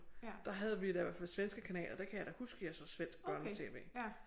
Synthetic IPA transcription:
d̥ɑ̈ɦæð̞ˠʋid̥æʋɛɐfælsʋensɡ̥əkʰænɛ̰ːlʔɐd̥ekʰæjɑ̈d̥ɒhusɡ̥əjɑ̈sɒsʋen̰sɡ̥̚b̥ɶɐnt͡sʰe̝̰ːʋḛː

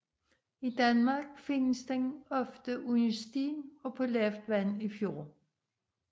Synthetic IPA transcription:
id̥ænmɑ̈ɡ̥fe̝nəsd̥enɒ̽fd̥əʔunəsd̥ḭːnɒ̽pʰɔlefd̥ʋænifjo̝̰ː

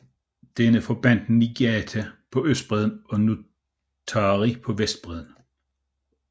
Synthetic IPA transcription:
d̥enəfɒ̽b̥æn̰d̥n̩niɡ̥æt͡sʰæpʰɒ̽øsd̥̚b̥ʁɛð̞ˠn̩ɒ̽nu | t͡sʰɑʁipʰɒ̽ʋesd̥̚b̥ʁɛð̞ˠn̩

